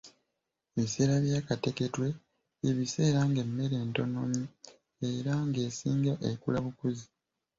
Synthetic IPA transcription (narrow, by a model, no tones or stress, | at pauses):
eβise̞ːɾaβjaːkate̞ke̞twe̞ | eβise̞ːɾaŋɡe̞mːe̞ɾe̞ːnto̞no̞mi | e̞ɾaŋɡe̞ːsiːŋɡaʔekulaβukuzi